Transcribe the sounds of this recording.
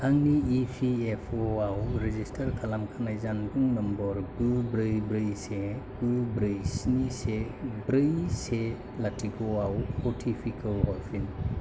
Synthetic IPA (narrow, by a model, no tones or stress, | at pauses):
haŋniːpʰiepʰoawɾezistʰɐɾkʰalamkʰanajzanbuŋnɐmbɔɾbɯbɾɯjbɾɯjseb̥ɯbɾɯjsnise | bɾɯjse | latʰiɡoawpɔtʰipʰikʰahɔlpʰin